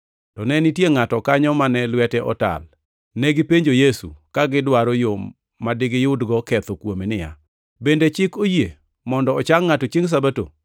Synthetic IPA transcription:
tɔnɛnɪtjeŋatɔkaɲɔmanɛlwɛtɛʔɔ̰ta̰l | nɛɡɪpeɲd͡ʒojesṵkaɡɪdwaɾɔjomː | adɪɡɪjʊdɡɔkɛt̪okwomenɪja̰ | bendet͡ʃɪkoje | mɔndɔːt͡ʃaŋːatot͡ʃiŋs̬abato̰

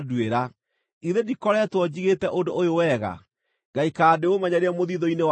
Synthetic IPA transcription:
dweɾa | iðedikɔɾɛtwɔd͡ʑiɣetɛʔondoʔojowɛɣa̰ | ɡaikaːdeomɛɲaɾɛmoðiðɔinew

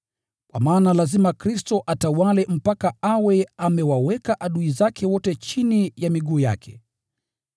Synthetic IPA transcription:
kwa̰maːnalazimakɾistɔʔatawalɛm̩pakaawɛamɛwawɛkaʔaɗuizakʰɛwɔtɛt͡ʃinijamiɠuːja̰kʰɛ̥

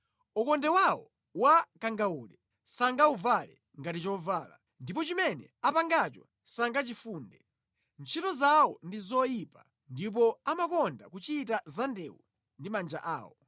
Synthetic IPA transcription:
ukɔndɛwawɔ | wakaŋɡauːlɛ | saŋɡauvalɛ | ŋɡatit͡ʃɔvaːla̰ | ndip̬ɔt͡ʃimɛnɛ̰apaŋɡat͡ʃɔ̰ | saŋɡat͡ʃifuːndɛ | nt͡ʃʰitɔzawɔndizɔjipa | ndip̬ɔamakɔnda̰kut͡ʃiːtazandɛwu | ndimand͡ʒa̰ʔa̰ːwɔ

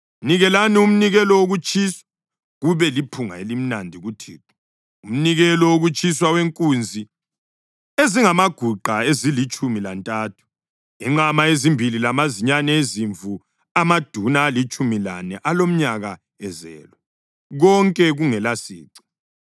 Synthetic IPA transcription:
niɣɛlanium̩niɣɛlɔwoɣut͡ʃʰʼiswa | ɣuβɛlipʰuŋa̰elim̩nandʱiɣutʰiːǁu̥ | um̩niɣɛlɔwoɣut͡ʃʼiswaweŋkʼund͡zʱi | eziŋamaɡ̥ʱuǃʱaezilit͡ʃʼumilantʼaːtʰu̥ | iŋ͡ǁamaezimbʱililamaziɲanɛeziɱvʱu | amad̥ʱunaːlit͡ʃʼumila̰nɛʔalom̩ɲaɣa | ɛzɛ̰ːlɔ | ɣɔŋkʼɛɣuŋɛlasḭːǀi̥

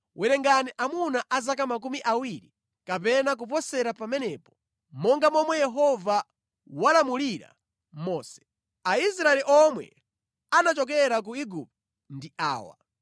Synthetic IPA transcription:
wʔɛɾɛŋɡaniʔamunaʔazak̬amak̬umiʔawiɾi | kapɛnak̬up̬ɔsɛɾapamɛnɛpɔ̥ | mɔŋɡamɔmwɛjɛɦɔva | walamuliɾa̰ | mɔːsɛ̥ | ais̬ɾaɛliʔɔmwɛ̰ | anat͡ʃɔk̬ɛɾak̬uiɡup̚t | ndia̰ːwa̰

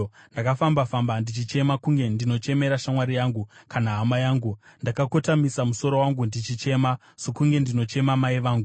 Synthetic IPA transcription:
ndakafambafambandit͡ʃit͡ʃe̞makuŋɡe̞ndino̞t͡ʃe̞me̞ɾaʃamwaɾijaːŋɡukanaɦamajaːŋɡundakako̞tamisamuso̞ɾo̞waŋɡundit͡ʃit͡ʃe̞ma | sokuŋɡe̞ndino̞t͡ʃe̞mamaiʋaːŋɡu

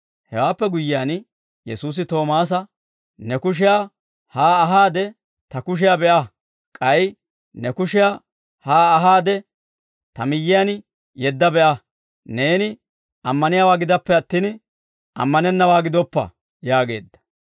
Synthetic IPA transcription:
hɛwaːpːɛɡʊjːɪjaːn | jɛsuːs̬ɪt̪o̞ːmaːs̬ɐ | nɛkʊʃ̬ɪja | haːɦaːd̪ɛ | t̪ɐkʊʃ̬ɪjabɛʔɐ | kʼɐj | nɛkʊʃɪja | haːɦaːd̪ɛ | t̪ɐmɪjːɪjan | jɛd̪ːɐbɛʔɐ | ne̞ːnɪ | ɐmːɐnɪjaːwaːɡɪd̪ɐpːɛɐt̪ːiːn | ʔɐ̰mːɐnɛnːɐwaːɡɪd̪ɔpːɐ̰ | jaːɡe̞̰ːd̪ːɐ̥

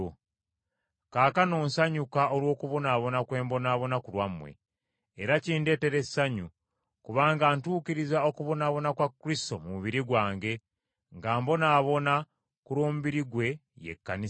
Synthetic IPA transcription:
kaːkano̞ːnsaɲukaʔolwo̞ːkuβonaːβo̞nakwe̞ːmbo̞naːβo̞nakulwamːwe̞̰ː | ɾaciːnde̞ːte̞ɾesaɲu | kuβaːŋɡaːntuːkiɾizao̞kuβo̞naβo̞nakwakːɾisto̞muβiɾiɡwaːŋɡe̞ | ŋɡaːmbo̞naːβo̞na | kuɾwo̞ːmuβiɾiɡwe̞ | jḛkːani

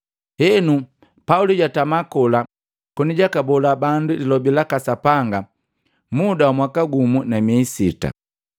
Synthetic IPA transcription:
hɛnu | pauliɟatamakɔla | kɔniɟakabɔlabandulilɔbilakasapaŋɡa | mudawamwakaɡumunamɛisita̰

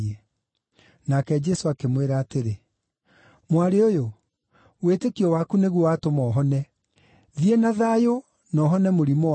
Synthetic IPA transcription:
e | nakɛd͡ʒɛsoakemweɾaːteɾe | mwaɾeojo | wetekiɔwakuneɣwɔwatomɔːɦɔnɛ | ðiɛnaðaːjo | nɔːɦɔnɛmoɾimɔ

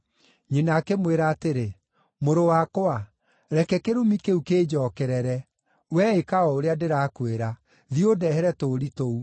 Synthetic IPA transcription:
ɲenaːkemweɾaːteɾe | moɾowakoa | ɾɛkɛkeɾomikeukeːd͡ʑɔːkɛɾɛɾɛ | wɛekaɔoɾeadeɾakweɾa | ðiodɛhɛɾɛtoɾitou

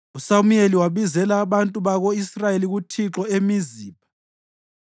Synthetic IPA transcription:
usamujeliwaβizɛlaːβantʼuβaɣoisrajeliɣutʰiǁɔemiziːpa

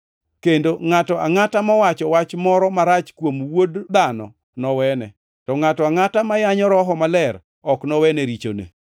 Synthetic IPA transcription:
kendoŋatɔʔaŋatamawat͡ʃɔwat͡ʃmɔɾɔmaɾat͡ʃkwomwodd̪anɔ̰ | nɔwɛnɛ̰ | tɔŋatɔaŋatamajaɲɔɾɔɦɔmalɛr | ɔknɔwɛneɾit͡ʃo̰nḛ

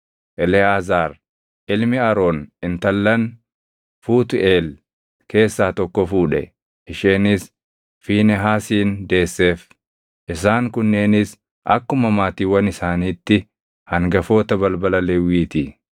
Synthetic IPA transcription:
ʔɛlɛaːzaːɾ | ʔɪlmɪɐɾoːnɪnt̪ɐlːɐn | fuːt̪ʊʔeːl | ke̞ːsːaːt̪ɔkːɔfuːᶑɛ̰ | ʔɪʃeːnɪs | fiːnɛɦaːsiːnd̪e̞ːsːe̞ːf | ʔɪsaːŋkʊnːe̞ːnɪs | ʔɐ̰kːʊmɐmaːt̪iːwɐnɪsaːniːt̪ːɪ | hɐŋɡɐfo̞ːt̪ɐbɐlbɐlɐlɛwiːt̪i

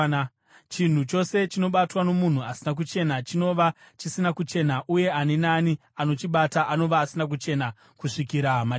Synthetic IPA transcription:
t͡ʃin̤ut͡ʃo̞se̞t͡ʃino̞ɓatwano̞mun̤uasinak̬ut͡ʃe̞nat͡ʃino̞ʋa | t͡ʃisinakut͡ʃe̞naʔuje̞anenani | ano̞t͡ʃiɓataʔano̞ʋaːsinak̬ut͡ʃe̞na | kuʂikiɾama

